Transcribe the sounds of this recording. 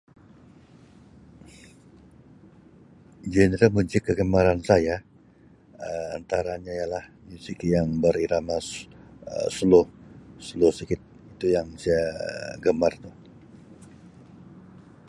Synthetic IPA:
d͡ʒenɾəlmuɲd͡ʒɪkːəɡəmaɾansaja | əa̰nt̪aɾaɲaijalahmusikijaŋbəɾiɾamasə̰səlʊhsəlʊhsəkɪt̪̚ | it̪ujaŋsiaɡəmart̪ʊh

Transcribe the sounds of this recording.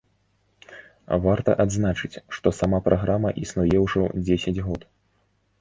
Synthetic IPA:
vart̪ɐ̰ʔad̪znat͡ʂɨt͡sʲʂt̪ɔsamapɾʔaɣɾamɐʔisnujɛwʐɔd͡zʲesʲɐd͡zʲɣɔt̪

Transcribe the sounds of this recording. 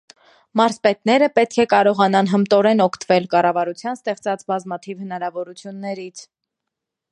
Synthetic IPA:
mɑɾspɛt̪nɛɾəpɛt̪̚kʰɛkɑɾɔʁɑnɑnɦəmt̪ɔɾɛnɔkʰt̪əvɛlkɑrɑvɑɾut͡sʰjɑnst̪ɛχt͡sɑt͡sbɑzmɑt̪ʰivhənɑɾɑvɔɾut͡sʰjunːɛɾit͡sʰ

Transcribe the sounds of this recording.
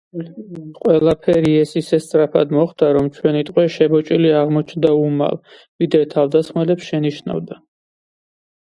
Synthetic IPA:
qʼwɛlˠapʰɛɾiɛsisɛst̪sʼɾapʰad̪mɔχd̪aɾɔmt͡ʃʰwɛnit̪ʼqʼwɛʃɛbɔt͡ʃʼiliaʁmɔt͡ʃʰnd̪auma̰l | vid̪ɾɛt̪ʰavd̪asχmɛlɛpsʃɛniʃna̰vd̪a

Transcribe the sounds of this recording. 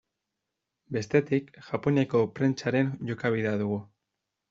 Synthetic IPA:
be̞st̪e̞t̪ikʝapo̞nako̞pɾe̞nt͡ʃaɾe̞nʝo̞kaβ̞iðeaðuɣ̞u

